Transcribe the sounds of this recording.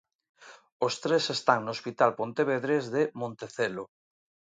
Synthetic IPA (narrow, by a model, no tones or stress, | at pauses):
ost̪ɾesest̪aŋnospit̪alpont̪eβeðɾezðemõnt̪eθelo